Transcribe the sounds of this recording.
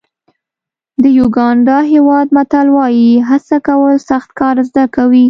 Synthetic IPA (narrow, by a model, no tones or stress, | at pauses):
d̪əjuɡɑɳɖɑɦewɑd̪̚mat̪alwɑjiɦasakawəlsaxt̪kɑɾzd̪akawi